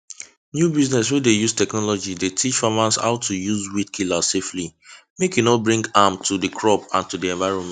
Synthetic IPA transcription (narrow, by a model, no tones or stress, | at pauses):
njubiznɛswɛdejuz̥tɛknɔlɔd͡ʒidetʰit͡ʃfamãnsa̰ʊtʰːujuzwidkʰilasefli | mekjunɔbɹĩŋɡamtʰudəkʰɹɔpãntudiɛ̃nvaɪɹɔ̃nmɛ̃